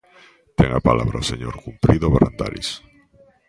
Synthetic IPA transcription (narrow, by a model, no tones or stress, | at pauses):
t̪eŋapalʔaβɾaoseɲoɾkumpɾiðoβaɾand̪aɾḭs